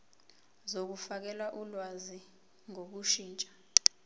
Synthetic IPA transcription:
zok̬ufak̬ɛlwaʔulwazi | ŋok̬uʃiːnt͡ʃʼḁ

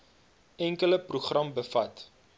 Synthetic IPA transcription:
ɛŋkələpruχrɐmbəfɐt

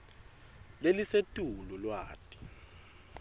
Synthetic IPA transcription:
lelisetʼululwaːtʼi̥

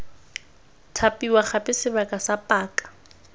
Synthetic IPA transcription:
tʰapʼiwaχapʼɪsɪbakʼasapʼaːkʼḁ

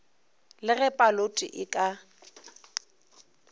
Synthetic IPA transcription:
lɪɣɛpʼalotʼḭʔɪkʼa

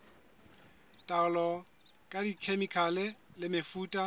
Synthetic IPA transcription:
tʼaʊlɔ | kʼadikʰemikʰalɪlɪmɪfuːtʼa

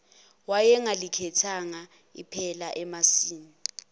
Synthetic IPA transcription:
wajɛŋalikʰɛtʰaŋa | ḭpʰɛlaʔɛmasiːni

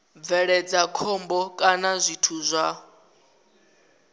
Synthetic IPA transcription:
b̪vɛɺɛd͡zakʰɔmbɔkʼanazʷitʰuzʷa

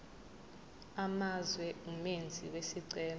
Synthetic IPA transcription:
amazwɛumend͡zʱḭwesiǀɛːl

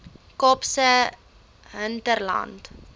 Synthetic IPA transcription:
kɔpsə | ɦəntərlɐ̰nt

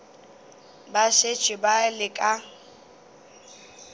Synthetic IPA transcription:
baʃet͡ʃʼɪbalɪkʼa

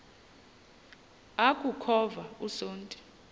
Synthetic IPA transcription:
akʼukʰɔvausoːntʼɛ̥

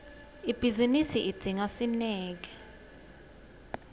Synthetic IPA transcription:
ib̥ʱizinisiʔid̥d͡z̥ʱiŋasinɛːk̬ɛ

